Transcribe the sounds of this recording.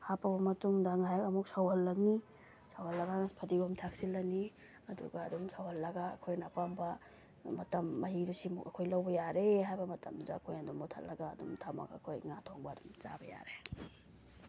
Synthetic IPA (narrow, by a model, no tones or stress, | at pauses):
hapɐbɐmɐtuŋdɐŋajakɐmuk̚sawhɐlːɐŋni | sawhɐlːɐɡapʰɐdiɡumtʰak̚silːɐni | ɐdṵɡɐːdumsawhɐlːɐɡa̰ːkʰojnɐpambɐ | mɐtɐmːɐɦiɾusimukɐkʰojlɐwbɐjaɾeɦajbɐmɐtɐ̰mduda̰kʰojɐdumɔtʰɐ̰lːɐɡa̰ːdṵmtʰamɐ̰ɡa̰kʰojŋatʰoŋbɐːdumt͡ʃa̰bɐja̰ɾe